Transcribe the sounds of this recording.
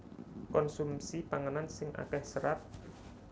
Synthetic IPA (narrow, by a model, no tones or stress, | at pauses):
kɔnsumsipaŋənansɪŋʔa̰kɛhsəɾat̪̚